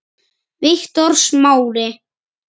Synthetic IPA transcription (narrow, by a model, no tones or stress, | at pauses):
vɪht̪ɔɾ̥smaːwɾɪ